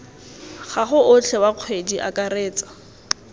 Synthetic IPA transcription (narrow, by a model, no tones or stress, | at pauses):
χaχʊʔʊt͡ɬʰɛwaq͡χʰwediʔa̰kʼareːt͡sḁ